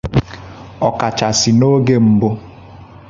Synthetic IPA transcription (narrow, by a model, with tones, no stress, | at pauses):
ɔ˨ka˨t͡ʃa˨sɪ˨no˦ɡe˦m̩˦bʊ˦